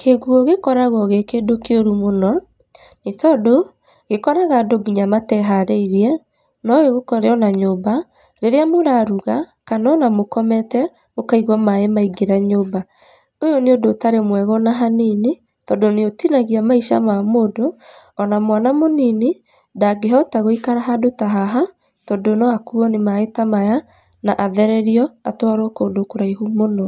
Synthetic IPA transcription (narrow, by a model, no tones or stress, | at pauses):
kʰeɣwɔɣekɔɾaɣɔɣekedokeoɾumonɔ | netɔdo | ɣekɔɾaɣadoɡuɲamatɛɦaɾeiɾiɛ | nɔɣeɣokɔɾeɔnaɲoba | ɾeɾeamoɾaɾuɣakanɔnamokɔmɛtɛ | okaiɣwɔmaemaiɡeɾaɲoba | ojɔneodotaɾemwɛɣɔnaɦanine | tɔdoneotinaɣiamaiʃa̰mamodo | ɔnamwanamonine | daɡeɦɔtaɣoikaɾaɦadotaɦaɦa | tɔdonɔakuɔnemaetamaja | naʔaðɛɾɛɾiɔatwaɾokoːdokoɾaiɦumonɔ